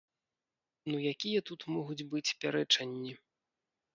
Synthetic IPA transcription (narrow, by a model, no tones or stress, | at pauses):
nujakʲijɐt̪ut̪mɔɣud͡zʲbɨt͡sʲpʲaɾɛt͡ʂɐnʲːi